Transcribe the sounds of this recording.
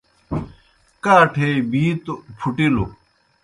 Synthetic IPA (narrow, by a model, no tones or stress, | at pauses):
kaːʈʰebiːt̪opʰuʈilo̰